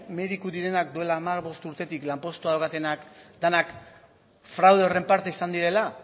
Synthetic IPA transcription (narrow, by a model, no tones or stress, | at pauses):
me̞ðikuðiɾe̞nak̚d̪ue̞laːmaɾβo̞st̪uɾt̪e̞t̪iklampo̞st̪uaðokat̪e̞nakd̪anak | fɾawðeore̞mpaɾt̪e̞isand̪iɾe̞la